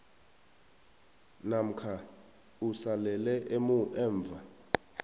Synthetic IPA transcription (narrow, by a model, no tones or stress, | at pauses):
nam̩kʰa | usalɛlɛʔemuʔɛːɱb̪vʱa